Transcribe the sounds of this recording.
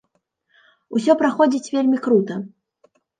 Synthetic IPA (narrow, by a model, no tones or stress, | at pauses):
us̬ʲɔpɾaxɔd͡zʲit͡sʲvʲelʲmʲikɾut̪ɐ